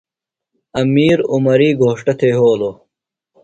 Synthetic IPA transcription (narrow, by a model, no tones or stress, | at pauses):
ɐmiːɾumɐɾiːɡʱoːʂʈɐt̪ʰeːɦoːlo